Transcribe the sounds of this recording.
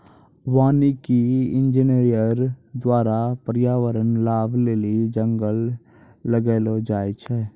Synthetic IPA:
ʋaːnikiɪ̃nd͡ʒineɾijəɾd̪waːɾapəɾjaːʋəɾənlaːbʱleːlid͡ʒə̃ŋɡəlː | əɡeːlod͡ʒaːjt͡ʃʰɛː

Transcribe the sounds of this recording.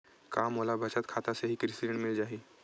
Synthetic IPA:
kamolabʱət͡ʃat̪̚kʰat̪aseɦiːkɾisiɖə̃ɳʈmɪld͡ʒaɦiː

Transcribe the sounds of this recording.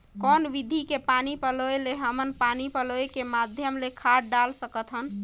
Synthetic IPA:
kɔnʋid̪ʱikepanipəlojleɦəmənpanipəlojkemad̪ʱjəmlekʰaɽɖalsəkət̪ʰɦən

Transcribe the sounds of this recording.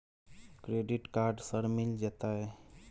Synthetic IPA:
kɾeːɖiʈkaɾɖsəɾmild͡ʒet̪aɦɛ

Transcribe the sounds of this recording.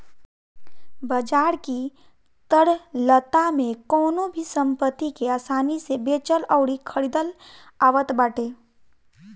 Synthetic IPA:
bəd͡ʒaːɾki | t̪əɽlət̪amẽkɔːnobʱisə̃mpət̪ːikeaːsaːnisebeːt͡ʃəlɔʊɽikʰəɽid̪əl | aːʋət̪baːʈeː

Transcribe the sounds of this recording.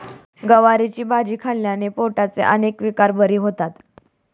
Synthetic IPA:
ɡəʋaɾit͡ɕiːbʱad͡ʑiːkʰaljanepoʈat͡sḛʔənekʋikaɾbəɾiːɦot̪at̪

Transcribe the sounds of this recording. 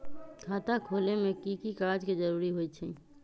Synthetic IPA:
kʰaːt̪akʰoːlemẽkikikad͡ʒked͡ʒəɾuːɾiɦojt͡ʃʰɛ

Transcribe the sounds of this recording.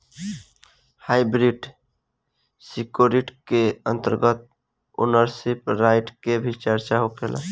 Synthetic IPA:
hajbɾiɖ | sikoɾiʈkeənt̪əɾɡət̪̚ | ṵnəɾsipɾaɪʈkebʱit͡ʃəɾt͡ʃaɦokʰela̰

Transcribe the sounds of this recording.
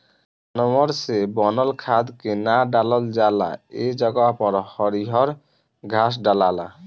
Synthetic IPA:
anɔmɔɾsebɔnɔlkʰad̪kenaɖalɔld͡ʒala̰ed͡ʒɔɡapɔɾhɔɾiɦɔɾ | ɡʱas̬ɖalala̰

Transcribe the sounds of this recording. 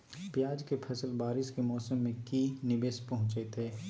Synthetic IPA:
pjaːd͡ʒkepʰɛsəlbaːɾɪʃkemɔːsəmːẽkinɪbeːspɐɦʊ̃t͡ʃet̪ɦeː

